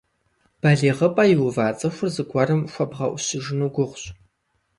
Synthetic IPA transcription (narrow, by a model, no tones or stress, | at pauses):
b̥ɐɮiːʁɐpʼɐjɪwʊvaːt͡sʼɐxʷʊrzɨɡʷʰʼɐrɨmxʷɔbʁɐ̰ʔʷʊsɨʒɪnuːɡʷʊʁʷɕʼ